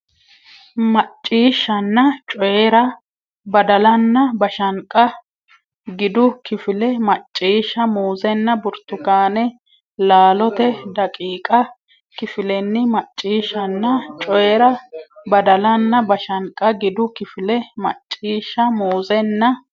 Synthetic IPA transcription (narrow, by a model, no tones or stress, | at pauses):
mɐt͡ʃʼːiːʃːɐnːɐt͡ʃʼɔjɛɾɐ | bɐd̪ɐlɐnːɐbɐʃɐŋkʼɐ | ɡɪd̪ʊkɪfɪlɛmɐt͡ʃʼːiːʃːɐmuːzɛnːɐbʊɾt̪ːʊɡaːnɛ | laːlɔt̪ɛd̪ɐkʼiːkʼɐ | kɪfɪlɛnːɪmɐt͡ʃʼːiːʃːɐnːɐt͡ʃʼɔjɛɾɐbɐd̪ɐlɐnːɐbɐʃɐŋkʼɐɡɪd̪ʊkɪfɪlɛmɐ̰t͡ʃʼːiːʃːɐmuːzɛnːɐ